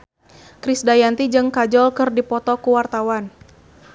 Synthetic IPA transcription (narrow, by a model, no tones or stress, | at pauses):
kɾɪsdajant̪id͡ʒɨŋkad͡ʒɔlkɨrdipɔt̪ɔkuwart̪awan